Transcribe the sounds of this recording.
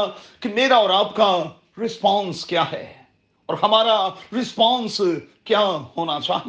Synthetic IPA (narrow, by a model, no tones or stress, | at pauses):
kimeːɾaɔːɾaːpka | ɾɪspɔ̃ːnskjaːɦɛː | ɔːɾhɐmaːɾaɾɪspɔ̃ːns | kjahoːnat͡ʃʰa̰ː